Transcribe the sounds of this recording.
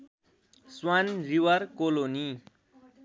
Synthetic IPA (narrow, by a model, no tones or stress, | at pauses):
swanriwʌrkoloni